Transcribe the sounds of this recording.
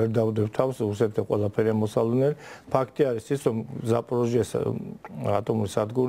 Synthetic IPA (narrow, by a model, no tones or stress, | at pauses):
ɛɾd̪avd̪ɛbt̪ʰafsɾuɾsɛt̪ʰd̪aqʼwɛlˠapʰɛɾiamɔsavlɛnɛlipʰakʰt̪ʼiaɾisisɾɔmzapʼɾɔʒiɛs | at̪ʼɔmuɾisad̪ɡuɾ